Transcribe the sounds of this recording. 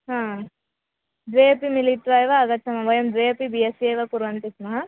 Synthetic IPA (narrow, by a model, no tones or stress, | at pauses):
ɦãː | d̪ʋeːpimilit̪ɾaːjʋɐːɡɐtːsɐmɐʋɐjɐmd̪ʋepibijɐsiɐjʋɐkuɾʋɐnt̪ismɐɦɐ